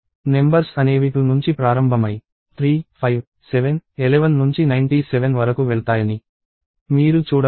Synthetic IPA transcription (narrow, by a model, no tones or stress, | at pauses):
ne̞mbɐɾsɐneːʋikunuɲt͡ʃipɾaːɾɐmbʱɐmɐji | t̪ʰɾiːpʰɐjʋ | seʋenɛleʋɐnːuɲt͡ʃinɐjɳʈiːseʋenʋɐɾɐkuʋɛɭt̪aːjɐni | miːɾut͡ʃuːɽɐ